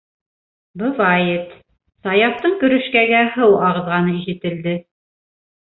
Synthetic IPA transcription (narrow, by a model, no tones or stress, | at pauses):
bɤ̆vɑjet̪ | sɑjɑft̪ɤɴkɵ̆ɾɵ̆ʃkæɡæɦɤwɑʁɤ̆ðʁɑnɤiʃɘ̆t̪ɘ̆ld̪ɘ